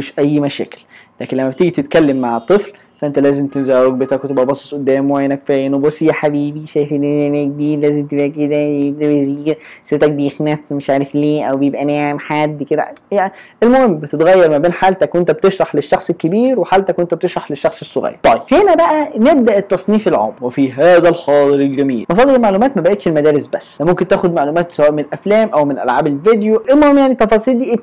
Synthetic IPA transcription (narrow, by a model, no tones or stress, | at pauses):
meʃʔæjːmæʃæ̰ːke̥llæːkenlæmːæbt̪eɡit̪et̪kælːemːaʕet̪ˤːɨfl | fæʔent̪ælæːzemt̪enzæːweɡ̚bet̪ækwet̪ebʔæbɑsˤe̥t̪ˤʔod̪ːæːmwæjnækfæːjenobɑsˤijæħabiːbiʃæːjfenenæɡ̚b̪iːlæːzemt̪ebʔæked̪æebd̪æbjeziːset̪æk̚bejexnæfmeʃʕaːɾefleːʔæwbjebʔæneːʕemħad̪ːked̪æ̰jaʔelmohemːbet̪et̪ɣæjːɑɾˤmæbeːnħaːlt̪ækwent̪æbet̪eʃɾˤɑħleʃːɑxsˤelkːebiːɾweħaːlt̪ækwent̪æb̚et̪eʃɾˤɑħleʃːɑxsˤesˤːoɣæ̰jːɑ̰t̪ˤɑjbhenæbæʔæneb̚d̪æʔet̪ːɑsˤniːfelʕo̰ːmwefiɦæːðælxɑːd̪ˤɨɾelɡæmḭːlmɑsˤɑːd̪eɾelmaʕlumæːt̪mæbæʔeːt̪ʃelmæd̪æːɾesbæsːæmomkent̪æːxod̪maʕlumæːt̪̚sæwæːʔmenʔæflæːmʔæwmenʔæ̰lʕaːbelved̪joʔelmohemjaʕnit̪ɑfɑːsˤiːld̪iːʔeː